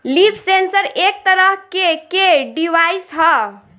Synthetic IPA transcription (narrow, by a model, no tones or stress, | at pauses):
lipʰsensəɾek̚t̪əɾəɦkekeɖiwajsɦɔ